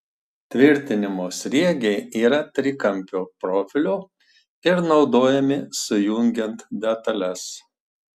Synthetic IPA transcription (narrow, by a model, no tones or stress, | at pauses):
t̪ʲʋʲɪɾʲt̪ʲɪnʲɪmoːsʲɾʲiɛɡʲɛɪiːɾɐt̪ʲɾʲɪkɐmʲpʲoːpɾoːfʲɪlʲʊ | ɪɾnɒʊd̪oːjɛmʲɪsʊjʊŋʲɡʲɛnt̪d̪ʲɛt̪ɐlʲɛs